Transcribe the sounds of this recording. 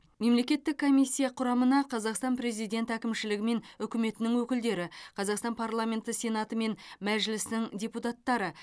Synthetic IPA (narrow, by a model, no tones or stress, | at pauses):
me̞mle̞kʲe̞t̪ːɪkʰːo̞mijsʲːijɑqʰʊɾɑmənɑqʰɑzɑqst̪ɑnpɾe̞zijd̪ʲe̞nt̪ækʲɪmʃɪlɪɡʲɪme̞nʏkʲɪme̞t̪ɪnɪŋwɵkʲɪld̪e̞ɾɪqʰɑzɑqst̪ɑnpʰarlˠamʲe̞nt̪əsʲe̞nɑt̪əme̞nmæʒɪlɪsnɪŋdʲe̞put̪ɑt̪ːɑɾə